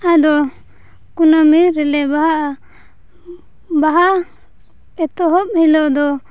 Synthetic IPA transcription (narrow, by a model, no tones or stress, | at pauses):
ad̪ɔ | kunamiɾɛlɛbaɦaʔ | baɦa | ɛt̪ɔɦɔp̚hilɔd̪ɔ